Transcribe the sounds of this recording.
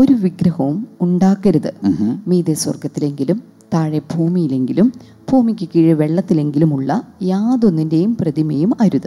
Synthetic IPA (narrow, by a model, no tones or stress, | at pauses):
o̞ɾuʋiɡɾɐhɐʋumuɳɖaːkːɐɾuðɨmiːðeswɐ̰rɡɐt̪ːile̞ŋɡilum | t̪aːɻebʱuːmijile̞ŋɡilum | b̥ʱuːmikʲːɨkiːɻɨʋe̞ɭːɐt̪ːile̞ŋɡilumuɭːɐjaːðo̞nːinde̞jumprɐðimejumɐɾuðɨ